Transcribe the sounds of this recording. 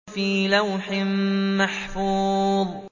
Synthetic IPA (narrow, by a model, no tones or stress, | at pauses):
fiːlawħɪmːaħfuːðˤ